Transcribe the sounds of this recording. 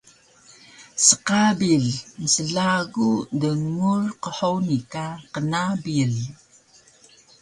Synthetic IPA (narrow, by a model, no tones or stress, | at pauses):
səqabiɮnəsəɮaɡudəŋurqəħownikaqənabiɮ